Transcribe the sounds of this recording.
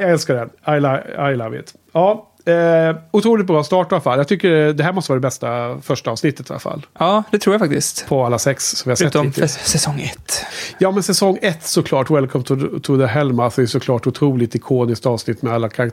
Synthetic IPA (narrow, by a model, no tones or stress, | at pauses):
jaɡɛlskaɖɛnajlaajlavɪ̰t̪ | ɑː | ʊt̪ʰɾuːlɪt̪bɾɑːst̪ɑːʈɪvalafalːjɑɡt̪ʏkːəɖɛd̪ɛɦæːɾmɔst̪əvɑːɾd̪ɛbɛst̪afœʂʈaɑːvsnɪt̪ːət̪ɪva̰lafa̰lːɑːd̪ɛt̪ʰɾuːɾjafakt̪ɪst̪pʰɔalːasɛkssɔvɪhaɾsɛt̪ːɪt̪sɛsɔŋɛt̪ːjɑːmɛnsɛsɔŋːɛt̪ːsɔkʰlɑːʈwɛlkʰɔmt̪ʰt̪ʰʊd̪əɦɛlmasɔɛjsɔkʰlɑːʈʊt̪ʰɾuːlɪt̪ɪkʰoːnɪskt̪ɑːvsnɪt̪ːmɛalːakʰaɾak